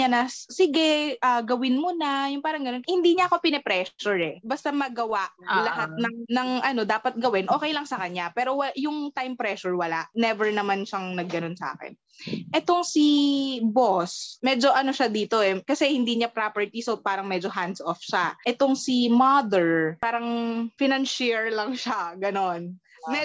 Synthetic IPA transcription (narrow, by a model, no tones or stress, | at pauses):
ɲanɐsɪɡɛʔaːɡɐwɪnmonɐjʊŋpaːɾɐŋɡɐnonhɪnd̪iːɲɐʔɐko̞pɪnɛpɾɛːʃʊɹɛbɐst̪amɐɡɐwaʔlɐɦat̪̚nɐŋnɐŋʔɐno̞d̪aːpɐt̪̚ɡɐwɛnʔo̞ːkɛjlɐŋsɐkɐɲapɛːɾowɐjʊŋt̪ajmpɾɛʃʊɹwɐlaʔnɛvɛɹnɐmanʃaŋnɐɡːɐno̞nsa̰ːkɛ̰n | ʔɛt̪o̞ŋsibosmɛːd͡ʒo̞ʔɐno̞ʃad̪iːt̪o̞ʔɛkɐsɛhɪnd̪iːɲapɾapɛɹt̪isopaːɾɐŋmɛːd͡ʒo̞ɦand̪sʔofʃaʔɛt̪o̞ŋsimad̪ɛɹpaːɾɐŋfɪnɐnʃiɹlɐŋʃaɡɐno̞n | mɛ